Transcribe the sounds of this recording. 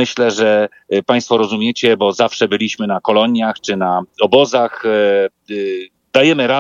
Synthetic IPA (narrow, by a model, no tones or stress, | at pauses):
ɘɕlɛʐɛ | paj̃st̪fɔɾɔzumʲjet͡ɕɛbɔzafʂɛbɘlʲiɕmɘnakɔlɔɲjaxt͡ʂɘnaɔbɔzax | d̪ajɛmɘɾa